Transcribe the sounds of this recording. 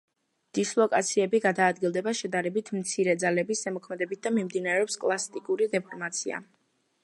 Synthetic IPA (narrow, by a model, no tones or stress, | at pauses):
d̪̥islˠɔkʼat̪sʰiɛbiɡad̪aːd̪̚ɡilˠd̪ɛbaʃɛd̪aɾɛbit̪ʰmt̪sʰiɾɛd̪zalɛbisɛmɔkʰmɛd̪ɛbit̪̚d̪amimd̪inaɾɛɔpskʼlˠast̪ʼikʼuɾid̪ɛpʰɔɾmat̪sʰia̰